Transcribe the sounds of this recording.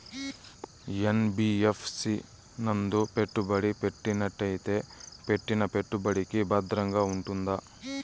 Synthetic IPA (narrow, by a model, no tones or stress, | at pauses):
jenbiefʰsi | nɐnd̪upeʈːubɐɽipeʈːinɐʈːɐjt̪epe̞ʈːinɐpeʈːubɐɽikibɐd̪ɾɐŋɡɐuɳʈund̪ɐ